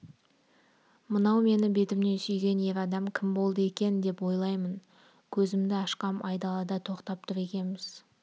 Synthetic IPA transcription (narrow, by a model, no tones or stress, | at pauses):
mənɑwme̞nɪbe̞t̪ɪmne̞nsʏjɡʲe̞ne̞ɾɑd̪ɑmkʲʰɪmbo̞lˠd̪əe̞kʲe̞nd̪e̞pwo̞jlˠɑjmən | kʲʰɵzɪmd̪ɪɑʃqɑmʔɑjd̪ɑlˠɑd̪ɑt̪ʰo̞qt̪ɑp̚t̪ʰʊɾe̞kʲe̞nmɪz̥